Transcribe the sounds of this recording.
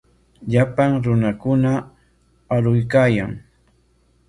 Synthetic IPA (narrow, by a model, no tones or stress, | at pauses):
ʎapaŋɾʊnakʊna | aɾʊjkaːjaŋ